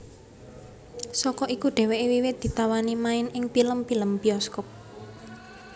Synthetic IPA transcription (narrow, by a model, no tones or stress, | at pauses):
sɔkɔʔikuɖ̪̥ɛ̤weʔiwiwɪd̪̥i̤t̪awanimaɪnɪŋpiləmpiləmb̥iɔskɔp̚